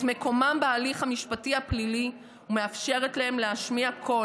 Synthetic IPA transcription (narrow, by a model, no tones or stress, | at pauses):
tme̞ko̞mambealiχhamiʃpatihaplili | umeafʃe̞ʁetlahe̞mleaʃmiakʰo̞